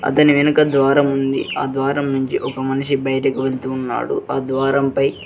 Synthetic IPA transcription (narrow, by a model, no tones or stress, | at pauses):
ɐ̰t̪ɐniʋenukɐd̪ʋaːɾɐmund̪ḭaːd̪ʋaːɾɐmnuɲt͡ʃiʔɔkɐmɐniʂibɐjɐʈɐkuiʋe̞lit̪uːnːa̰ːɽṵʔaːd̪ʋaːɾɐmpɐj